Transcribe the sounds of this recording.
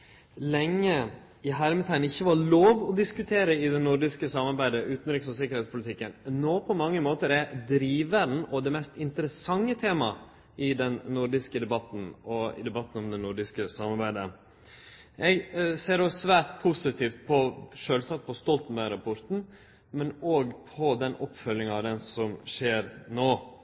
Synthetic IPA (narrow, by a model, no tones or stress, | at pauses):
lɛŋːə | ɪɦæɾmət̪ʰæɪənɪçːəʋɑɾɭoːʋɔd̪ɪskʉt̪ʰeːɾəɪd̪ɛnʊɾɖɪskəsɑmɑɾbæɪd̪əʔʉːt̪n̩ɾɪksɔsɪkːəɾhɛːt̪spʰʊlɪt̪ʰɪkːənnoːpʰɔmɑŋːəmoːt̪əɾɛd̪ɾiːʋəɖn̩ɔd̪ɛmɛst̪ɪnt̪əɾəsɑŋːət̪ʰeːmɑ | ɪd̪ɛnnʊɾɖɪskəd̪ɛbɑt̪n̩ɔɪ̰d̪ɛbɑt̪ːn̩ɔmd̪ɛnʊɾɖɪskəsɑmɑɾbæɪd̪ə | ʔɛɡseːɾɔsʋæːʈpʰʊsɪt̪ʰiːft̪̚pʰɔʂøːlsɑt̪̚ːpʰɔst̪ɔlt̪n̩bæɪɾɑpʰɔɾt̪n̩ | mɛnoːɡpʰɔd̪ɛnʔɔpːfœljɪŋɑʋd̪ɛnsɔmʂeːɾnoː